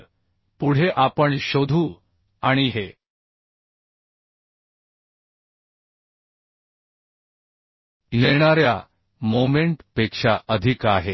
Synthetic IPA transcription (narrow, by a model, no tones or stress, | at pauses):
puɽ̤eʔapəɳɕod̪ʱuː | aɽ̃iɦe | leɽ̃aɾja̰ | momeɳʈpekʂaʔəd̪ʱikaɦe